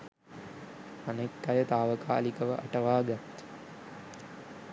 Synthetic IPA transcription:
anekːajət̪aːʋəka̰ːlikəʋəʔa̰ʈəʋaːɡat̪

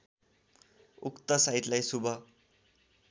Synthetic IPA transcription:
ukt̪ʌsait̪lajsubʱʌ

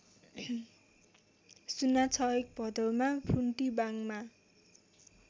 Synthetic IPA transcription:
sunat͡sʰʌek̚bʱʌd̪ʌwmapʰuɳʈibaŋma

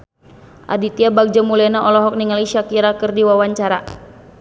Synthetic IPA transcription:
ʔa̰dit̪iabak̚d͡ʒamulɛnaʔɔlɔɦɔk̚niŋaliʃakiɾakɨrdiwawaɲt͡ʃaɾa

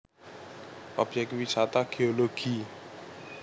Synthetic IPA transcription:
ʔɔbd͡ʒɛk̚t̪wisat̪aɡ̥eɔloɡ̥i

